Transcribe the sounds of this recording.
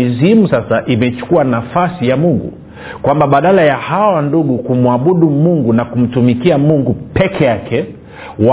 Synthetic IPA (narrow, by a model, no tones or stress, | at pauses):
izimusasaʔimɛt͡ʃu̥kuanafasijamuŋɡṵ | kwambaɓaɗalajahawanduɠukumuaɓuɗumuŋɡunakum̩tumikiamuŋɡupɛkʰɛjakʰɛ | wa